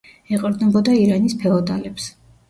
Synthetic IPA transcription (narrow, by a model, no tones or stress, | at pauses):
ɛqʼɔɾd̪nɛbɔd̪aiɾanispʰɛɔd̪a̰lɛps